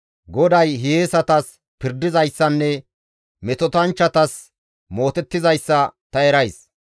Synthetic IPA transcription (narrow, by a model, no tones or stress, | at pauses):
ɡɔd̪ɐjɦeeːsɐt̪ɐs | pɪɾd̪ɪzɐjsːɐnːɛ | mɛt̪ɔt̪ɐnt͡ʃːɐt̪ɐs | mo̞ːt̪ɛt̪ːɪzɐjsːɐt̪ɐɛɾɐjs